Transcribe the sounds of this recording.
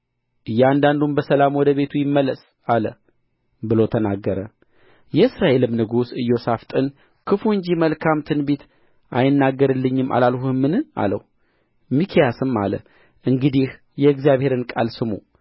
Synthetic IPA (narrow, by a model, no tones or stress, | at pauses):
ʔɨjːand̪and̪unbəsəlamwɔd̪əβe̞t̪ʰujɪmːəlːəs | alə | bɨlo̞t̪ʰənaɡːəɾə | jɛɨsɾaʔe̞lɨmnɨɡusɨjːo̞saft̪ʼɨn | kʰɨfuɨɲd͡ʒiməlkʰamt̪ʰɨnbet̪ | ʔajɪnːaɡːəɾɨlːɨɲːɪma̰lalhuɨmːɨnɨa̰lə̰w | mikʰijasɨma̰lə̰ | ʔɨŋɡɨd̪ih | jɛɨɡzijaβhe̞ɾɨnkʼa̰lsɨmṵ